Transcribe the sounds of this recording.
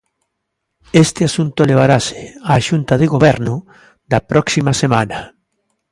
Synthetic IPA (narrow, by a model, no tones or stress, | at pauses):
est̪ɪasunt̪oleβ̞aɾase̥aːʃunt̪aðɪɣoβɛɾnʊ | ðapɾɔksimasemana